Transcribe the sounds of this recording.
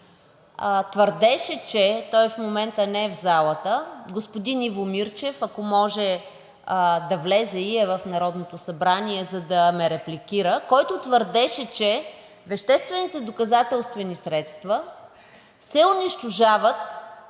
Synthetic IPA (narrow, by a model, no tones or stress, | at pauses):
t̪vəɾd̪ɛʃɛt͡ʃɛt̪ɔjfmomɛnt̪ənɛɛvzalˠət̪əɡospod̪inivomiɾt͡ʃɛfɐkomɔʒɛ | d̪ɐvlɛzɛiɛvɐfnɐɾɔd̪not̪osɐbɾaniɛzɐd̪ɐmɛɾɛplikiɾəkɔjt̪ot̪vəɾd̪ɛʃɛt͡ʃɛ | vɛʃt̪ɛst̪vɛnit̪ɛd̪okɐzat̪ɛlˠst̪vɛnisɾɛt̪st̪və | sɛʊniʃt̪oʒavət̪